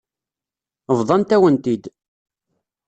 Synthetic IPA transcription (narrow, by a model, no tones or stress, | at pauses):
əvðˤɑnt̪æwənt̪id̪